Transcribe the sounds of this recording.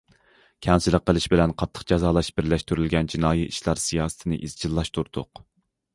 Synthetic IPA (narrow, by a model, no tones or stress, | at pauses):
kʲʰɛnsɪləqːəlˠɪʃbɪlɛnqʰɑt̪ʰːə̥qd͡ʒɑzɑːlˠɑʃbɪɾlɛʃt̪yɾylɡʲɛnd͡ʒinɑːjiiʃlˠɑɾsijɑːsɨ̥t̪ʰɨnɨ̰ʔizd͡ʒilˠːɑʃt̪ʰuɾd̪ʊq